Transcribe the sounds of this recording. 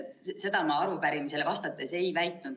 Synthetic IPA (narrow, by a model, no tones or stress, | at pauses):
se̞d̪ɑmɑɑɾupæɾimise̞lvɑst̪ɑt̪ːˑe̞se̞jvæjt̪ˑnud̪̥